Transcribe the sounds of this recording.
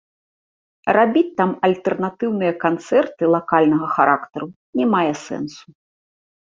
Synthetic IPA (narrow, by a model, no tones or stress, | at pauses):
rabʲit͡sʲt̪ːamɐlʲt̪ɛrnat̪ɨwnɨjɐkant̪sɛrt̪ɨlˠakalʲnɐɣɐxaɾʔakt̪ɐɾu | nʲɛmajɛsɛ̰nsu̥